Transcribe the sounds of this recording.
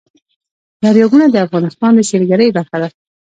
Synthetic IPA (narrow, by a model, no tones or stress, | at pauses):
laɾjɑɡunad̪əafɣɑnɪst̪ɑnd̪əʃeɾɡaɾəjbaɾxad̪a